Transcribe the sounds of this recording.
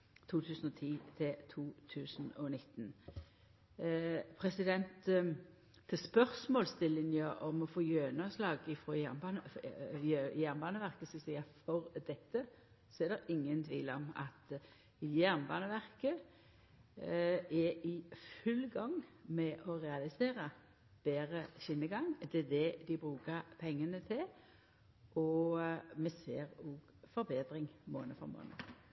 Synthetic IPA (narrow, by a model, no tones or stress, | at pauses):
t̪ʰuːt̪ʰʉːsənɔt̪ʰiːt̪ʰɪlt̪ʰuːt̪ʰʉːsənɔnɪt̪ːn | pʰʁɛsɪd̪ɛnt̪ʰː | ɪspœʁsmɔːlst̪ɪlːɪŋəʔɔmɔfoːjøːnɑslɑːɡɪfʁojæʁnbɑnə | jæʁnbɑːnəʋæʁkəsɔsiːɑfɔʁd̪ɛt̪ːə | sɔɛɾd̪ɛɾɪŋːənt̪ʰʋiːlɔ̰mɑ̰t̪ | jæʁnbɑːnəʋæʁkə | ɛɪfʉlɡɑŋmɛʔɔʁɛɑlɪseːɾə | b̥eːɾəʃɪnːəɡɑŋd̪ɛd̪ɛd̪ɪbɾʉːkəɾpʰɛŋːənət̪ʰɪl | ʔɔ | mɛseːʁoːɡ | fɔɾbeːd̪ɾɪŋmoːnəfɔ̰ʁmo̰ːnə̰